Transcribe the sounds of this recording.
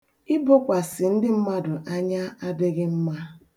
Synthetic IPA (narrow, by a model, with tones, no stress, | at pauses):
ɪ˦bʊ˦kʷa˨sɪ˨n̩˦dɪ˦m̩˦ma˦dʊ˨ʔa˦ɲa˦a˦dɪ˦ɣɪ˦m̩˦ma˦